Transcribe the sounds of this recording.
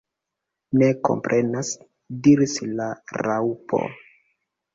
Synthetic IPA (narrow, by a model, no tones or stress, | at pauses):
ne̞ko̞̰mpɾʔe̞nas | diɾislaɾawpʰo̞̰